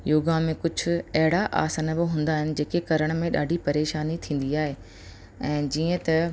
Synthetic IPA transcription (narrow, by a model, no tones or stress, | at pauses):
joːɡãmẽkʊd͡ʑʱʊ̆ɐɦɪɽaʔa̰ːsanəbɪɦũːn̆d̪aːɦɪnɪ̆d͡ʑeːkekɐɾəɽ̃mẽɗa̰ːɖʱipɐɾeːʃaːnit̪ʰĩːn̆d̪iaːɦe | ɛ̃ːd͡ʑiːə̃t̪ɐ